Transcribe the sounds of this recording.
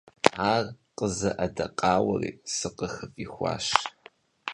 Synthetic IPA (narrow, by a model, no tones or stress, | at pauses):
aːrqʼəzɐʔɐdɐqʼɑːwɐriːsɨqəxɨviːxʷɑ̰ːʃ